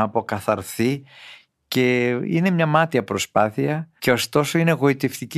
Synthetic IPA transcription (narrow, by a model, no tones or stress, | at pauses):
po̞kɐθɐɾθi | ce̞ine̞mɲɐmɐt̪iɐpɾo̞spɐθiɐce̞o̞st̪o̞so̞ine̞ɣo̞it̪e̞ft̪ic